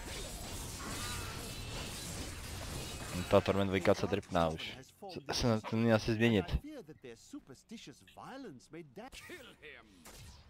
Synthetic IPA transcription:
t̪at̪ɔɾmɛnd̪vojkat͡sad̪ɾɪpnaːuʃsst̪nɛɲɛlsizmɲɛɲɪt̪ðt̪̚ðəsupə˞stɪʃəsvaɪlˠə̃nsmeɪdæt͡ʃ

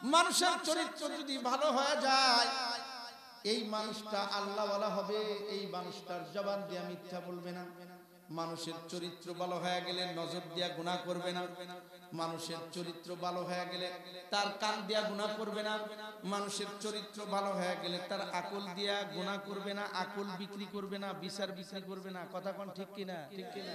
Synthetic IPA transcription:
manuʃeɾt͡ɕoɾit̪ːɾod͡ʑod̪ibʱaloɦɔjad͡ʑaj | ejmanuʃʈaʔalːabalaɦɔbeejmanuʃʈaɾd͡ʑɔband̪ijamit̪ʰːabolbena | manuʃeɾt͡ɕoɾit̪ːɾobʱaloɦɔeaɡelenɔd͡ʑoɾd̪ijaɡunakoɾbena | manuʃeɾt͡ɕoɾit̪ːɾobaloɦɔjaɡele | t̪aɾkand̪ijaɡunakoɾbenamanuʃeɾt͡ɕoɾit̪ːɾobʱaloɦɔjeɡelet̪aɾakold̪ijaɡunakoɾbenaʔakolbikɾikoɾbenabiʃaɾbikɾikoɾbenakɔt̪ʰakɔnʈʰikːinaʈʰikːina

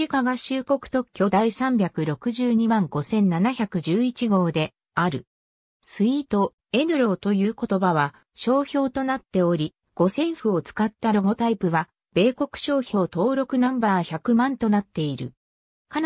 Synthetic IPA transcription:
ikaɡaɕɨːko̞kɯ̟̥t̪o̞kʲːo̞d̪aisãmbʲjakɯ̟ɾo̞kɯ̟ʑɨːɲ̟imãŋɡ̥o̞sẽ̞nnːanaçakɯ̟ʑɨːit͡ɕiɡo̞ːd̪e̞ | aɾɯ̟ | sɨit̪o̞ | e̞nɯ̟ɾo̞ːt̪o̞jɯːko̞t̪o̞baβ̞a | ɕo̞ːço̞ːt̪o̞nat̪ːe̞o̞ɾʲi | ɡ̥o̞sẽ̞ɰ̃ɸɯ̟o̞t͡sɨ̥kat̪ːaɾo̞ɡo̞t̪aipɯ̟βa | b̥e̞ːko̞kɯ̟̥ɕo̞ːço̞ːt̪o̞ːɾo̞kɯ̟nãmbaːçakɯ̟mãnt̪o̞nat̪ːe̞iɾɯ̟̰ | ka

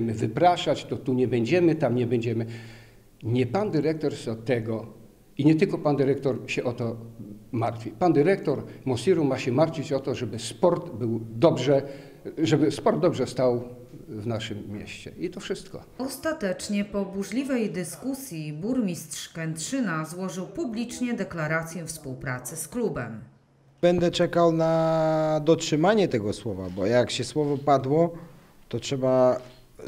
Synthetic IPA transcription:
mɘvɘpɾaʂat͡ɕt̪ɔt̪uɲɛbɛɲd͡ʑɛmɘt̪amɲɛbɛɲd͡ʑɛmɘ | ɲɛpand̪ɘɾɛk̚t̪ɔɾsɔt̪ɛɡɔ | iɲɛt̪ɘlkɔpand̪ɘɾɛkt̪ɔɾɕɛʔɔt̪ɔmaɾt̪fʲipand̪ɘɾɛkt̪ɔɾmɔsiɾumaɕɛmaɾt̪fʲit͡ɕɔt̪ɔʐɛbɘspɔɾt̪bɘwd̪ɔbʐɛ | ʐɛbɘspɔɾd̪̚d̪ɔbʐɛst̪aw | vnaʂɘmːjɛ̰ɕt͡ɕɛ̰it̪ɔfʂɘst̪kɔ̰ɔst̪at̪ɛt͡ʂɲɛpɔbuʐlʲivɛjd̪ɘskusʲjibuɾmʲist̪ʂkɛnt̪ʂɘnazwɔʐɘwpublʲit͡ʂɲɛd̪ɛklaɾat̪sʲjɛfspuwpɾat̪sɘsklubɛ̰m | bɛnd̪ɛt͡ʂɛkawnad̪ɔtʂɘmaɲɛt̪ɛɡɔswɔva̰bɔjakɕɛswɔvɔpad̪wɔ | t̪ɔtʂɛba

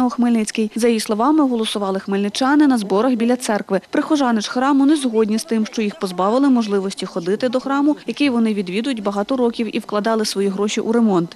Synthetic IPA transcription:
ɔxmɪlʲnɪt͡sʲkɪjzɐjislˠɔʋɑmɪɦɔlˠɔsʊʋɑlˠɪxmɪlʲnɪt͡ʃɑnɪnɐzbɔɾɐxbʲilʲːɐt̪sɛrkʋɪpɾɪxɔʒɑnɪt͡ʃxɾɑmʊnɛzɦɔdʲnʲist̪ɪmʃt͡ʃɔjixpɔzbɑʋɪlˠɪmɔʒlˠɪʋɔsʲtʲixɔd̪ɪt̪ɪd̪ɔxɾɑmʊjɐkɪjʋɔnɪʋʲid̪ʋʲid̪ʊjʊtʲbɐɦɑt̪ɔɾɔkʲiwiwklˠɐd̪ɑlˠɪsʋɔjiɦɾɔʃʲiʔuɾemɔnt̪

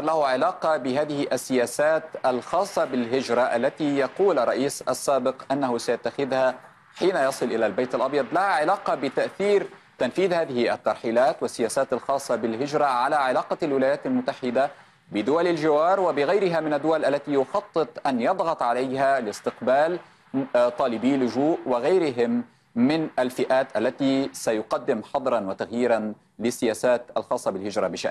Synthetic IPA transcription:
ɾˤlahʊʕɪlaːqɑbɪɦaːðɪhɪʔasːɪjaːsaːt̪ʔalxɑːsˤːɑbɪlɦɪd͡ʒɾˤɑʔalːat̪ijɑquːlʔɑrˤːɑ̰ʔiːsʔa̰sːaːbɪqʔanːahʊsajat̪ːaxɪðha | ħiːnajɑsˤɨlʔɪlalbajt̪alʔɑbjɑd̪ˤlahaʕɪlaːqɑbɪt̪aʔθiːɾ | t̪anfiːðhaːðɪhɪʔa̰t̪ːɑɾˤħiːlaːt̪wasːɪjaːsaːt̪alxɑːsˤːɑbɪlɦɪd͡ʒɾˤɑʕalaʕɪlaːqɑlwɪlaːjaːt̪almʊt̪ːaħɪd̪a | bɪd̪ʊwalalʒɪwɑːɾˤwabɪɣajɾɪɦamɪnad̪ːʊwalʔalːat̪ijʊxɑt̪ˤːɨt̪ˤʔanjɑd̪ˤɣɑt̪ˤʕalajɦalɪst̪ɪqbaːl | t̪ˤɑːlɪbiːlʊʒuːʔwɪɣajɾɪɦɪmː | ɪnʔalfɪʔaːt̪ʔalːat̪isajʊqɑd̪ːɪmħɑd̪ˤɾˤɑnwat̪aɣjiːɾan | lɪsːɪjaːsaːt̪ʔalxɑːsˤːɑbɪlhɪd͡ʒɾˤɑbɪʃa̰ʔn

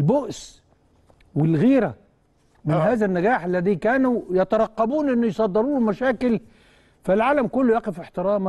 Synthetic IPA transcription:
lboʔs | wɪlɣiːɾæ | mɪnɦaːzænːæɡaːħalːæðiːkæːnujɑt̪ɑɾˤɑqːɑbuːnʔɪnːʊjsˤɑd̪ːɑɾˤuːnmæʃæːkɪl | fælʕaːlæmkʊlːʊjæːqɪfɪħt̪ɪɾɑːm

